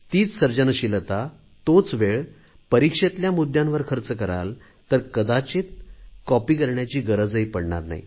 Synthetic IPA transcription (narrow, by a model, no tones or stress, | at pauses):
t̪iːt͡ssəɾd͡ʑənəɕilt̪a | t̪ot͡sʋeɭ | pəɾikʂet̪ljamud̪jãnʋəɾkʰəɾt͡səkəɾa̰l | t̪əɾkəd̪at͡ɕet̪̚kɔpiːkəɾɳjat͡ɕiːɡəɾəd͡zəjpəɽɳa̰ɾna̰ɦḭ